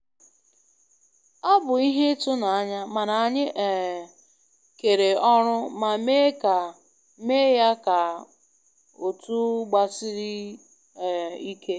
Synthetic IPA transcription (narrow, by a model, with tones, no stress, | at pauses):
ɔ˦bʊ˨i˦ɦe˦tʊ˦na˨a˦ɲa˦ma˨na˨a˨ɲɪ˦ʔe˨ | ke˨ɾe˨ɔ˦ɾʊ˦ma˨me˦ka˨ | me˦ja˦ka˨ | o˨tu˦ɡ͡ba˨sɪ˦ɾi˦˨ | i˦kʰe˦